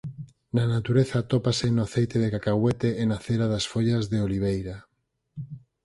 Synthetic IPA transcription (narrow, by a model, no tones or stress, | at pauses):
nanat̪uɾeθat̪opasenoaθejt̪eðekakaɣwet̪eːnaθeɾaðasfoʎazðeoliβ̞ejɾa